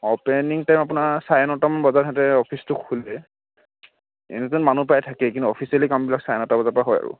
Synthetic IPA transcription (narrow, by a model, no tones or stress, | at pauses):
ɔpɛniŋtajmapunasajɔnɔtamanbɔzatʰatɛɔpʰistʊkʰːulɛ | ḛnɛzɔnmanupajtʰakɛkintuɔpʰisialikambilaksajɔnɔtabɔzapɔɹaɦɔja̰ɹʊ̰